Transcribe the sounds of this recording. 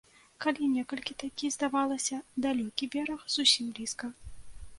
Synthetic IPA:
kalʲinʲɛkɐlʲkʲit̪akʲizd̪avalˠɐsʲɐd̪alʲɔkʲivʲɛɾɐxz̥usʲimblʲiskɐ

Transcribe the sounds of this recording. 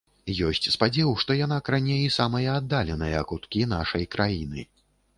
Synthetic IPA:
jɔsʲt͡sʲspad͡zʲɛwʂt̪ɔjan̪akɾanʲejisamɐjɐːd̪ːalʲɛnɐjɐːkut̪kʲina̰ʂɐjkɾʔajinɨ

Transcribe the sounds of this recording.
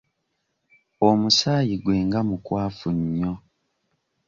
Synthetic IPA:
omusaːjiɡwe̞ːŋɡamukwaːfuɲːo

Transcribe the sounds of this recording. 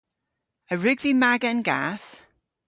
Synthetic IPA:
əɹʉɡvimaɡənɡa̰ːθ

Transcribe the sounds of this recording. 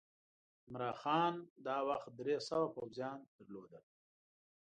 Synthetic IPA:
ɪmɾɑːxɑːnd̪ɑːwaxt̪̚d̪ɾesawapawzjɑːnd̪əɾlod̪əl

